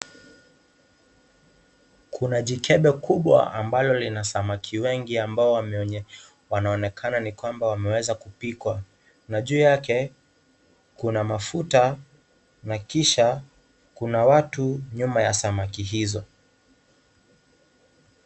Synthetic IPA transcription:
kʰunaʄikɛɓɛkʰuɓwa̰a̰mbalɔlinasamakʰiwɛŋɡiambaɔwɛ | wanaɔnɛkʰananikwambawamɛwɛzakupikwa | naʄuːjakɛ | kunamafuta | nakiʃa | kunawatuɲumajasamakiɦizɔ

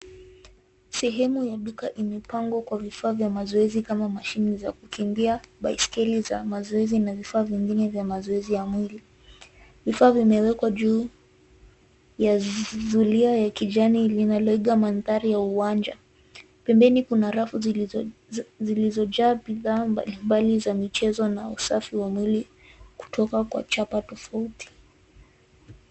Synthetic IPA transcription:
sɛɦɛmujaɗukaʔimɛpaŋɡwakwavifaːvjamazɔɛzikamamaʃiniza̰kukʰimbiaɓaiskɛlizamazɔɛzinavifaːviŋɡinɛvjamazɔɛzijamwili | vifaːvimɛwɛkwaʄuː | jazuliajakiʄanilinalɔiɠamanθaɾijauwand͡ʒa | pɛmbɛnikunaɾafu | zilizɔʄaːbiðaːmbalimbalizamit͡ʃɛzɔnausafiwamwili | ku̥tʰɔkakwa̰t͡ʃapatɔfauti̥

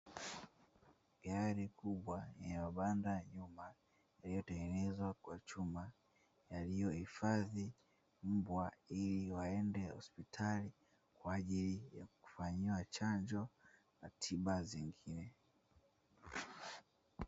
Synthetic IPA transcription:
ɡaɾikuɓwaɛɲɛmaɓandaɲuma | jalijɔtɛŋɡɛnɛzwakwat͡ʃuma | jalijɔhifaði | m̩bwailiwaɛndɛhɔ̰spitʰali | kwaːʄilija̰ku̥faɲiwat͡ʃaɲd͡ʒɔ | natʰiɓaziŋɡinɛ

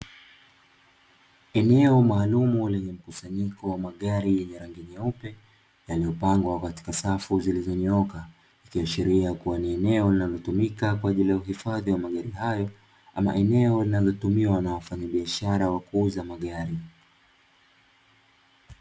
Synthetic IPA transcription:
ɛnɛɔmaːlumulɛɲɛm̩kusaɲikɔwamaɠaɾijɛɲɛɾaŋɡiɲaupɛ | jalijɔpaŋɡwakati̥kasafuzilizɔɲɔka | ikijɔʃiɾiakuwaniɛnɛɔlinalɔtumikakwaːʄilijauɦifaðiwamaɠaɾihajɔ | ʔama̰ʔɛnɛɔlinazɔtumiwanawafaɲaɓiaʃaɾawakuuzamaɠaɾi

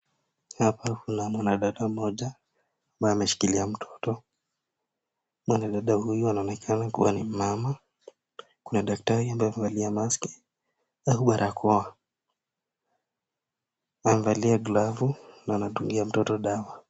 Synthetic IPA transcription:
hapakunamwanaɗaɗamɔʄaː | mbajɔamɛʃi̥kiliam̩tʰɔ̥tɔ | mwanaɗaɗahujuanaɔnɛkʰanakṵwanim̩mama | kunaɗak̚taɾiambajamɛvaliamaski̥ | ahuɓaɾʔakʰɔa | amvaliaɡlavunaːnaɗuŋɡiam̩tɔtɔɗawa

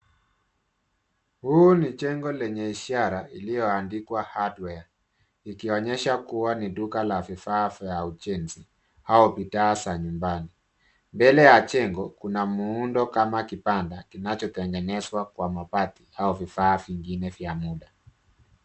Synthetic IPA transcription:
hunit͡ʃɛŋɡɔlɛɲɛiʃaɾaʔilijɔandikwahadwɛa | ikiɔɲɛʃakuwaniɗukalavifaːvaud͡ʒɛnzi | haɔpitaːsaɲumbani | mbɛlɛjat͡ʃɛŋɡɔkunamuundɔkamakipandakinat͡ʃɔtɛŋɡɛnɛswakwamapatiaɔvifaːviŋɡinɛvjamuɗa

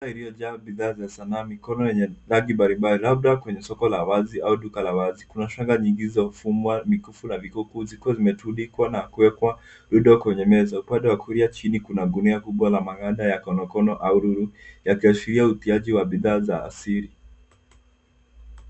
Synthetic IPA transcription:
ailijɔʄaːbiðaːzasanaːmikɔnɔjɛɲɛlaɡimbaɾimbalilab̚ɗakwɛɲɛsɔkɔlawaziʔauɗukalawazikunaʃaŋɡaɲiŋɡizamufumwamikufunavikukuzikuɔzimɛtuɗikwanakuwɛkwa | ɾuɗɔkwɛɲɛmɛzaupandɛwakʰuɾiat͡ʃinikunaɡuniakuɓwalamaŋaɗajakɔnɔkɔnɔʔauɾuɾujakiasiɾiautiaʄiwaɓiðaːza̰ːsiɾi

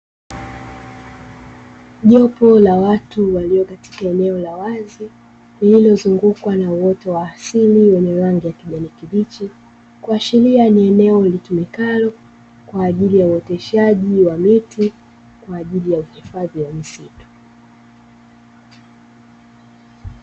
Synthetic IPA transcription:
ʄɔpɔlawatuwaliɔkati̥kaɛnɛɔlawazi | lililɔzuŋɡukwanauwɔtɔwaːsiliwɛɲɛɾaŋɡijakiʄanikivit͡ʃɛ | kuaʃilianiɛnɛɔlitumikalɔ | kwaːʄilijauɛtɛʃaʄiwamiti | kwaːʄilijauhifaðiwamisitu̥

